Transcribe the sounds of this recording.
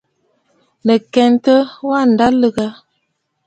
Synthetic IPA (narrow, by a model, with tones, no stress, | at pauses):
nə˨kɛ˨n˦tə˦wa˦˨n̩˨da˦lə˦ɡa˦